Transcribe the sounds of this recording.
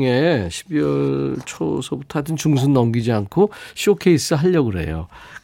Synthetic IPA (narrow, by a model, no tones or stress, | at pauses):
ŋeɕʰibiʌɭt͡ɕʰo̰sʰʌbutʰʌdɯnt͡ɕuŋs̬ʰunːʌmɡid͡ʑiankʰoɕʰiokʰe̞is͈ɯɦaʎːʌɡɯɾe̞̰jo̰